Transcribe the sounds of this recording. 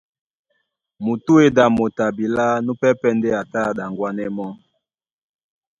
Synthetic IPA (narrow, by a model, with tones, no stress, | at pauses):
mu˨tu˦e˨da˨mo˨ta˨bi˨la˦nu˦pɛ˦pɛ˦nde˦a˨ta˦˨da˨ŋɡwa˦nɛ˦mɔ˦